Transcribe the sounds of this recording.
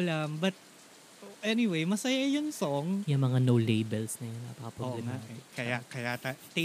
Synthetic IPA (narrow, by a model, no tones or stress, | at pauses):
ʔɐlambɐt̪̚ | ʔɛnɪwejmɐsɐjajʊnsoŋjɐŋmɐŋanowlejbɛlsnɐjonːa̰pɐkɐpɾoblɛmaɛkɐjakɐjat̪at̪ɛ